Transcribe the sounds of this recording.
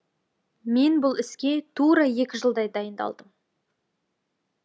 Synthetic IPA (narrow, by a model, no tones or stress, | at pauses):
me̞nbʊlˠɪskʲe̞t̪ʰuɾɑje̞kʲɪʒəlˠd̪ɑjd̪ɑjənd̪ɑ̰lˠd̪əm